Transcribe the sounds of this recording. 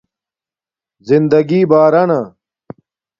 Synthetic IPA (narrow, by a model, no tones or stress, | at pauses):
zind̪ɐɡiːbaːɾɐnɐ